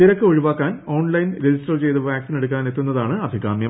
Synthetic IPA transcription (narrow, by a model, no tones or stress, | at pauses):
iɾɐkːɨoɻiʋaːkːaːno̞ːɳlɐjnɾed͡ʑistɐrt͡ɕe̞jt̪ɨʋjaːksine̞ɽukːaːne̞t̪ːunːɐðaːɳɨɐd̪ʱiɣaːmjɐ